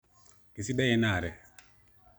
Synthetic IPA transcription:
ki˨si˦dɛ˦jɛ˦na˨ɾɛ˨

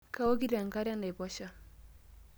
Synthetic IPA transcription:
ka˦wo˦ɡi˦ɾa˨ŋɡa˦ɾja˦na˨i˨bɔ˦ʃa˦

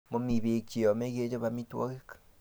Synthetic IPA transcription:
mo˨mi˨βe˨t͡ʃi˨ɔ˨me˦ɣe˦d͡ʒo˦βami˦two̰˦ɣe˦kḁ

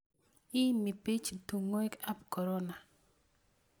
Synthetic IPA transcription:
i˦mi˨pi˦t͡ʃtu˨ŋo˦e˦ka˦pko˨ɾɔ˦na˨

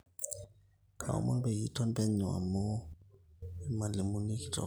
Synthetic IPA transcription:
kʰa̰˨ṵ˦ma̰˦nbɛ˨ji˦tʰɔ˦n˦bɛ˦ɲɔ˨a̰˨mɔ˦ | ɛ˦ma˨li˨mu˨ni˦ki˦tɔ̰˨

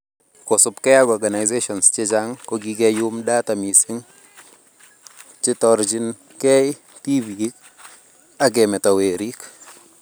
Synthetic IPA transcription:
kɔ˨sʊ˨pkɛ˦a˦ɡɔ˨ɾɡa˨na˨jzeʃɔ˨nst͡ʃɪ˦d͡ʒa˦ŋkɔɡiɡɛju˦mda˦ta˨mi˨sɪ˦ŋ | t͡ʃɪ˦tɔɾd͡ʒi˦n | kɛ˦j | ti˦bi˨i˦k̚ | a˦ɡɛ˨mɛ˨ta˨we˨ɾi˦k

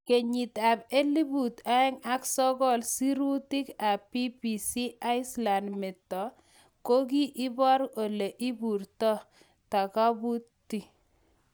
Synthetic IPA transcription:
ke˨ɲi˨t̪a˨be˦li˦bu˨t̪a˦ɛ˦ŋa˦ksɔ˦ɡɔ˦lsi˦ɾu˦ti˦ka˨pi˦pi˨si˦a˦ɪ˦sla˨ndmɛ˨tːɔ˨ | ko˦ɡi˦ʔɪ˦bɔ˦ɾo˨le˨ʔi˦bu˨ɾtɔ˦ | ta˨ka˦bu˦tːi˨

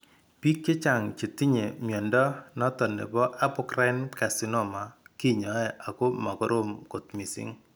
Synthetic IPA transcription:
pi˦kːe˦t͡ʃa˨ŋt͡ʃe˨ti˦ɲe˨mjɔ˨ndɔ˦nɔ˦tɔ˨nḛ˨bɔ˦ʔa˦pʊ˦krɛ˦nka˨si˦nɔ˦˨ma˨ki˦ɲɔ˨˦ɛ˦˨ʔa˨ko˦ma˨kɔ˦ɾo˦mko˨tmi˨sḭ˦ŋ

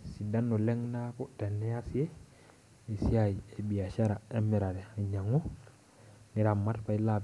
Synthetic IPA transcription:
si˨da˦nːo˨le˦ŋna˦ku˦te˨nːe˦a˦si˦e˦ | e˨si˦ai˨e˨bi˨a˨ʃa˦ɾa˨e˦mːe˨ɾa˨ɾe˨a˨ɲa˨ŋo˦ | ni˦ɾa˨mːa˦tpa˦i˦lab

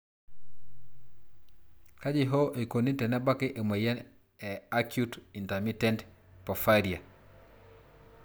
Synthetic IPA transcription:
ka˦d͡ʒɪ˦ɦɔ˦ʔe˨ko˨ni˦tɛ˨nɛ˦ba˦kɪ˦ʔe˨mɛ˨jɛ˦ | ɛ˨a˦kju˦ti˨nta˨mi˦tɛ˦nt | pɔ˨faɾi˨a˨

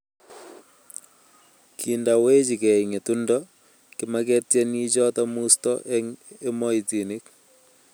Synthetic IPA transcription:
kʰi˨ndawe˦t͡ʃi˨kɛ˨iŋe˨tu˦ndɔ˦ | kɪ˦ma˦kɛ˦tjɛ˦ni˦t͡ʃɔ˦tɔ˦mu˦stɔ̰ʔɛ˦ŋe˦mɔ˦i˨ti˨nɪ˦k

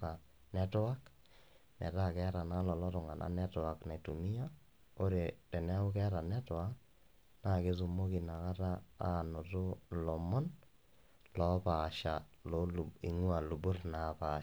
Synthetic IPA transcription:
ka˨ | nɛ˦tʊ˦a˦k | nɛ̰˨ta˦˨kɛ˦ɾa˨na˦lɔ˨lɔ˦tʊ˨ŋa˨nʔa̰˨˦nɛ˦tʊ˨a˨kna˨i˨tu˨mi˦ja˦ | o˦ɾe˨tɛ˨nɛ˦ʊ˦kɛ˦ɾa˨nɛ˦tʊ˨a˦ | na˦˨ke˦s̬u˦mo˦ki˨na˨ka˦ta˦a˨nɔ˨tʊ˦lɔ˨mɔ˦n | lɔ˨pa˨ʃa˨ | lo˦˨ḭ˨ŋwa˨lu˨bu˦rna˨pa˨

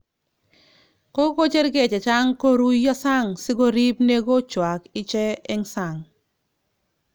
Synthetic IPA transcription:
ko˦ko˦t͡ʃe˦ɾɡe˨t͡ʃɛ˨t͡ʃa˦ŋko˦ɾu˦jɔ˦sa˦ŋsɪ˦ɡo˦ɾi˦pne˦ɡo˦t͡ʃwa˨kɪ˦t͡ʃɛ˦ɛ˦ŋsa˨ŋ

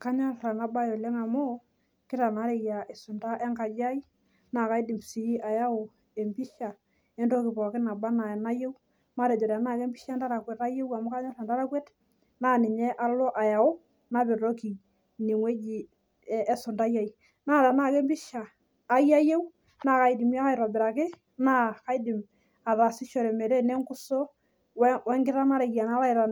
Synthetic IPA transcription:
ka˦ɲa˦ɾa˨na˨ba˦jo˨lɛ˦ŋa˨mɔ˦ | kɪ˦ta˨na˨˦ɾe˨ja˨e˨sʊ˨nda˦ʔɛ˦ŋka˨d͡ʒa˦i˦ | na˨ka˨˦jdi˨msi˨i˦ʔa˨ja˦o˨ | e˨mbi˦ʃa˨ | ɛ˦ndo˦kɪ˨pɔ˨kɪ˦na˨ba˦na˨e˨na˦je˦w | ma˦ɾe˨d͡ʒɔ˨ɾa˨na˦˨ke˦mbi˦ʃa˦nda˦ɾa˨kwɛ˨ta˦je˦wa˨mʊ˦ka˦ɲa˦a˨nda˦ɾa˦kwɛ˦t | naː˦˨nɪ˨ɲɛ˦ʔa˦lɔ˦ʔa˨ja˨o˦ | na˦be˨ɾo˦ki˨ | ni˨ŋwe˦d͡ʒiː˨˦ | so˨nda˦ja˦i | naː˦˨ɾa˨na˦˨kɛ˦mbi˦ʃaː˨˦ | ja˦je˦w | naː˨ka˨i˨di˨mja˦ka˦jɾa˨bɪ˨ɾa˨kɪ˦ | na˦ka˦i˦di˨m | a˨ða˨si˦ʃɔ˨ɾɛ˨mɛ˨ɾɛ˦nɛ˦ŋɡʊ˦so˦ | wɛ˦ŋɡɪ˦ɾa˦na˦ɾe˨ɡi˨a˨na˦la˦i˨ɾa˨

